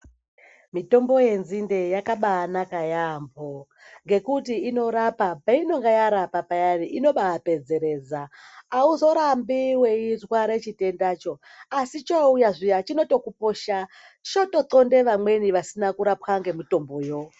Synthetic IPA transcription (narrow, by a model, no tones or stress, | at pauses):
mito̞mbo̞je̞nzinde̞jakaɓaːnakajambo | ŋɡe̞kutiːno̞ɾapapaino̞ŋɡajaɾapapajariʔino̞ɓaape̞d͡ze̞ɾe̞ːd͡zaːuzo̞ɾambiwe̞izwaɾet͡ʃite̞ndat͡ʃo̞ | asit͡ʃoujaʐijat͡ʃino̞to̞kupo̞ʃa | t͡ʃoto̞tonde̞ʋamwe̞niʋasinakuɾapwaŋɡe̞mito̞mboːjo̞